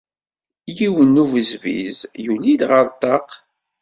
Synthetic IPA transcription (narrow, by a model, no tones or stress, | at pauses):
jiwənːuvəzvḭzjulid̪ʁəɾˤt̪ɑq